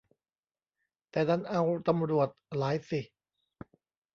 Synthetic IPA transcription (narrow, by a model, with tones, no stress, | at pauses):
t̪ɛː˨˩na˦˥nʔa˧wt̪a˧mɾu˨˩ət̪̚laː˨˦jsi˨˩